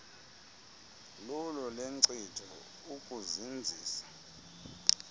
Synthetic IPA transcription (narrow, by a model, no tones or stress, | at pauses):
lɔlɔleŋǀitʰɔ | ukʼuzind͡zʱiːsḁ